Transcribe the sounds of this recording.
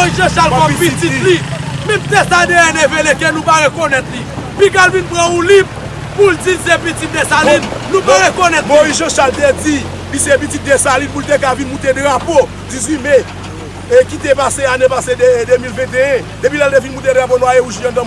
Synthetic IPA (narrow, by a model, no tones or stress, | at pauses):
moizʒãʃalkɔ̃pitilimɛ̃mt̪esad̪eɛ̃nevelekenũpaɣekonɛt̪lipikalvinpʁɐ̃ũlip̚ | puld͡ziisepitit̪̚d̪esalid̪nũpaɣekonɛt̪moizʒɐ̃ʃalt̪ed͡zi | lisepitit̪̚d̪esalid̪̚pult̪ek̬avinmũt̪edɣapo | d͡zizimɛ̃ | kit̪epaseanepaseded̪ømilvɛ̃t̪eɛ̃ | d̥̪epilalt̪evinmũt̪̬edɣap̬onwajeuʒiɛ̃d̪ɐ̃m